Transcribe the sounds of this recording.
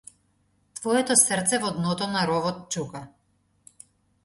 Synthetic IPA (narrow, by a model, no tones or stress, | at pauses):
t̪vɔɛt̪ɔsrt̪sɛvɔd̪nɔt̪ɔnaɾɔvɔt̪̚t͡ʃuka